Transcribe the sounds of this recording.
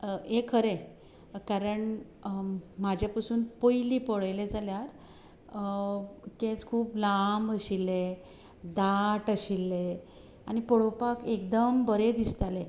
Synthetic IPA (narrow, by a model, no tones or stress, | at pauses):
ekʰəɾe | kaɾəɳ | mad͡ʑʱjapasuːnpojliːpɔɭəjled͡zaljaɾ | kẽt͡skʰuːplambəɕilːe | d̪aʈəɕilːe | añipɔɽopakekd̪əmbəɾed̪ist̪ale